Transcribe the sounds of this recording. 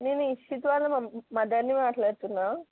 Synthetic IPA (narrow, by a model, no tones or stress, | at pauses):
neːnuiʂit̪ʋaːlɐmmɐd̪ɐɾnimaːʈlaːɽt̪unːaː